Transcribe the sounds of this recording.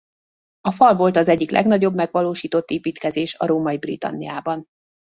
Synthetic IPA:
ɒfɒlvo̞lt̪ɒzɛɟːiklʔɛ̰ɡnɒɟo̞bmɛɡʋɒloːʃiːt̪o̞t̪ːeːpiːt̪kɛzeːʃɒ̰ɾoːmɒibrḭt̪ɒ̰nːḭjaːbɒn

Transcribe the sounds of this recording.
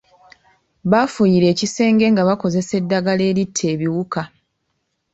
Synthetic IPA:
βafujiɾe̞ːcise̞ːŋɡe̞ːŋɡaβako̞ze̞se̞dːaɡale̞ːɾitʰːe̞ːβiwuka

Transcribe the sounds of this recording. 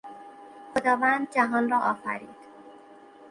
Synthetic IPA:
xod̪ɒːvænd̪̚d͡ʒæɦɒːnrɒːʔɒːfæ̰ɾiːd̪̥

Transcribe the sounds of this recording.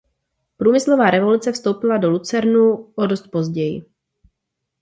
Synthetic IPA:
pɾuːmɪslo̞vaːɾɛvo̞lut͡sɛfst̪o̞wpɪlado̞lut͡sɛɾnuʔodost̪̚po̞zɟɛjɪ̰

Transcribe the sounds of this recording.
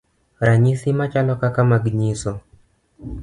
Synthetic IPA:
ɾaɲiθimat͡ʃalɔkakamaɡiɲisɔ

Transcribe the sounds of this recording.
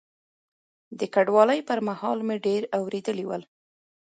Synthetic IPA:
d̪əkaɖwɑləjpəɾmahɑlmeɖeɾawɾed̪əliwəl

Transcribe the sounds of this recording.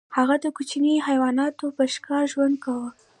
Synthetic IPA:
haɣad̪əkut͡ʃnihajwɑnɑt̪opəʃkɑʒwand̪̚kawə

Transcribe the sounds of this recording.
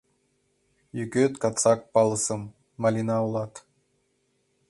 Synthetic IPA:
jykøt̪kɑt̪t͡sɑk̚pɑlˠəsəmː | ɑlʲinɑulɑt̪

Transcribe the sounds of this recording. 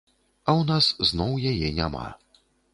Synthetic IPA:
ɐwnasznɔwjajɛnʲa̰ma̰

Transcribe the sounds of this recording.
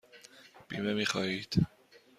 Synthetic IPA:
b̥ḭːmemiːxɒːhiːd̪̥

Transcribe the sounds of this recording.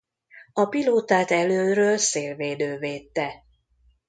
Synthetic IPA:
ɒpiloːt̪aːt̪ɛløːɾøːlseːlveːd̪øːveːt̪ːɛ

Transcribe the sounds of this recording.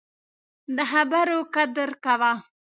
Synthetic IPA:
d̪əɦabaɾokad̪əɾkawa

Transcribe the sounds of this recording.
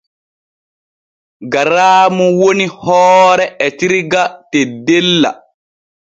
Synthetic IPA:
ɡaɾaːmuwonihɔːɾɛɛtiɾɡatɛdɛlːa̰

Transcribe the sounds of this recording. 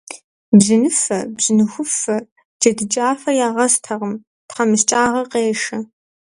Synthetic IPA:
bzɨnɨfɐbz̥ɨnɨxʷʊfɐ | d͡ʒɐdɨd͡ʒʼaːfɐjaːʁɐstʰɐʁəm | tχɐmɨst͡ʃʼaːʁɐqeːʂɐ

